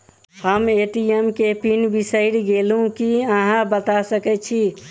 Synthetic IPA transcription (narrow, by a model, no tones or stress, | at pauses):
həmeʈiemkepinbisəɪɽɡelũkiəɦãbət̪asəkɛt͡ʃʰi